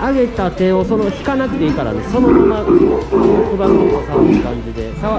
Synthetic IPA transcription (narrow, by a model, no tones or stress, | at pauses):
aɡe̞t̪at̪e̞o̞so̞no̞çi̥kanakɯ̟t̪e̞ikaɾa̰d̪esso̞nomana | okɯbaot̪osakãɲ̟d͡ʑid̪e̞saa